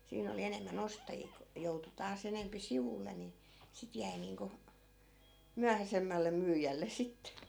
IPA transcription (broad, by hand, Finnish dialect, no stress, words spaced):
siːn oli enemːæn ostɑjiː ku joutu tɑːs enempi siʋulːe ni sit jæi niːŋku myæhæsemːælˑe myːjælːes̆ sit